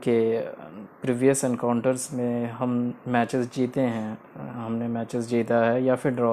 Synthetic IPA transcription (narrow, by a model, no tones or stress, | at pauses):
ke | pɾiːʋijəsɛ̃nkaːʊ̃ɳʈəɾzmẽɦɐmmɛːt͡ʃɪzd͡ʒiːt̪eɦɛ̃ | ɦɐmnemɛːt͡ʃɪzd͡ʒiːt̪aɦɛjafɪɾɖɾɔː